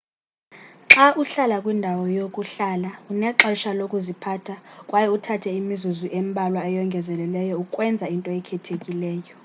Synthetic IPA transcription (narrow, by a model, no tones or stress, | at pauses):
ǁaʔuɬalakʼwindʱawɔjokʼuɬalaunɛǁɛʃalokʼuzipʰaːtʰakʼwajɛutʰatʰɛimizuzuʔembʱalwaɛjɔŋɡʱɛzɛlɛlɛjɔukʼwɛnd͡zʱaintʼɔɛkʰɛtʰekʼilɛːjɔ